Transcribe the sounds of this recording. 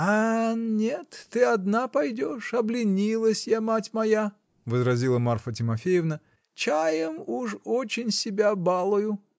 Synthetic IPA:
anʲet̪ːɨɐd̪napɐjdʲoʂɐblʲɪnʲilˠəsʲjamatʲmɐja | vəzɾɐzʲilˠəmarfət̬ʲɪmɐfʲejɪvnə | t͡ɕajəmuʂot͡ɕɪnʲsʲɪbʲabalˠʊjʊ

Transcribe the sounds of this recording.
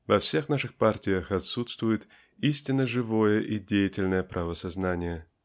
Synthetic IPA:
vɐfsʲe̞xnaʂɨxpartʲɪjəxɐt̪sut̪st̪vʊjɪt̪ | isʲtʲɪnːəʐɨvo̞jəʔidʲejɪtʲɪlʲnəjəpɾʔavəsɐznanʲɪjə

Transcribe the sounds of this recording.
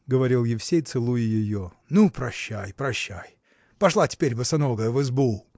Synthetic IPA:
ɡəvɐɾʲilˠjɪfsʲejt̪sɨlˠujʊjɪjo | nupɾɐɕːæjpɾɐɕːæj | pɐʂlˠatʲɪ̥pʲeɾʲbɨsɐnoɡəjəvɨzbu

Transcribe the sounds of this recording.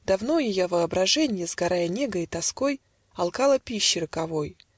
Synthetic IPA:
d̪ɐvno̞jɪjovəɐbɾɐʐɛnʲɪjəzɡɐɾʔajənʲe̞ɡəit̪ɐsko̞j | ɐlˠkɑlˠəpʲiɕːɪɾɨkɐvoj

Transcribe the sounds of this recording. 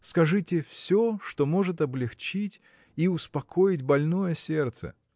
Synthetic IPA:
skɐʐɨtʲɪfsʲoʂt̪omo̞ʐɨt̪ɐblʲɪxt͡ɕitʲ | iʊspɐkʰo̞jɪtʲbɐlʲno̞jəsʲe̞rt̪sə̰

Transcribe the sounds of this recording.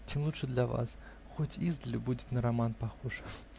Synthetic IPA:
t͡ɕʲemlˠuʂɨd̪lʲɐva̰s | xotʲizd̪əlʲʊbudʲɪt̪nəɾɐmanpɐxoʐɨ

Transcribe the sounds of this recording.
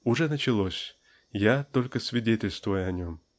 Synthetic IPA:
uʐɛnət͡ɕɪlˠosʲ | jat̪olʲkəsvʲiɪdʲetʲɪlʲst̪vujəanʲom

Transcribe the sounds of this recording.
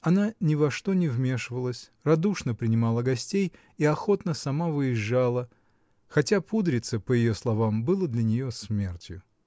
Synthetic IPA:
ɐnanʲɪvɐʂt̪o̞nʲɪvmʲe̞ʂɨvəlˠəsʲ | rɐd̪uʂnəpɾʲɪnʲɪmalˠəɡɐsʲtʲej | iɐxo̞t̪nəsɐmavɨjɪʐːalˠə | xɐtʲapud̪ɾʲɪt̪səpəjɪjo̞slˠɐvambɨlˠəd̪lʲɐnʲɪjo̞smʲe̞rtʲjʊ

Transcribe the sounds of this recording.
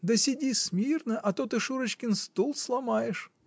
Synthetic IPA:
d̪əsʲɪdʲismʲirnəʔɐt̪ot̪ɨʂuɾət͡ɕkʲɪnst̪ulˠslˠɐmajɪʂ

